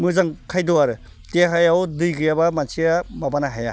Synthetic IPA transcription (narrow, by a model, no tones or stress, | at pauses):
mɯzaŋkʰajdɔaɾɯ | teɦajawdɯjɡɯjabamansijababanaɦaja̰